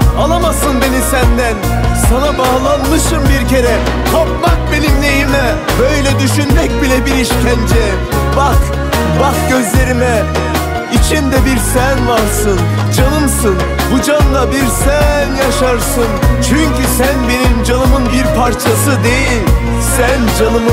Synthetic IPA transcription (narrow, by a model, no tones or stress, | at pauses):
alˠamasɯnbe̞nisænd̪æn | sanabaːlˠanmɯʃɯmbiɾcʰe̞ɾɛ | t̪ʰopmak̚be̞nimlejimɛ | bø̞jlʲɛd̪yʃynmɛc̚bilʲɛbiɾiʃcʲʰænd͡ʒɛ | bax | baxɟø̞zlʲe̞ɾimɛ | it͡ʃʰind̪ɛbiɾsænvaɾsɯn | d͡ʒanˠɯmsɯn | bud͡ʒanlˠabiɾsænjaʃaɾsɯnt͡ʃʰyɲcysænbe̞nimd͡ʒanɯmɯnbiɾpʰaɾt͡ʃʰasɯd̪e̞jilʲ | sænd͡ʒanɯmɯ